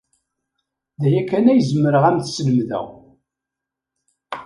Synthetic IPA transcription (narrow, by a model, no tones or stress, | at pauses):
ðæjækːænæjəzmːəɾəʁæmθsləmðæ̰ʁ